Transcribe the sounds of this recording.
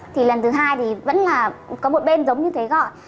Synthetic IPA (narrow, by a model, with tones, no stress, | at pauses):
t̪ʰi˨˩lə˨˩nt̪ʰɨ˨˦ɦaː˧jt̪ʰi˨˩və̰˧˥nlaː˨˩kɔ˨˦mo˨˩t̚ɓe˧nzə˨˦wŋ͡mɲɨ˧t̪ʰe˨˦ɣɔ̰˧˨j